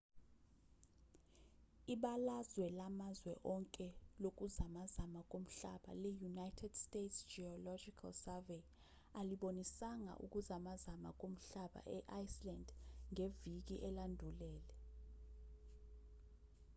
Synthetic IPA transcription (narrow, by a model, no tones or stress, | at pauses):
iɓalazwɛlamazwɛʔɔŋkʼɛlok̬uzamazamak̬ʼom̩ɬa̰ɓa̰lɛjunajtʰɛd̥stetsd͡ʒiɔlɔd͡ʒikʰalsave | aliɓonisaŋa̰ʔṵk̬ʼuzamazama̰k̬ʼom̩ɬaɓa̰ʔɛʔajslandʱŋevik̬iʔɛlandʱulɛːlɛ